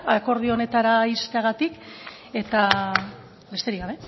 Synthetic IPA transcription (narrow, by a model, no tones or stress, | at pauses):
ako̞ɾð̞io̞ne̞t̪aɾaist̪eaɣat̪ik | e̞t̪a | be̞st̪e̞ɾiɣaβe̞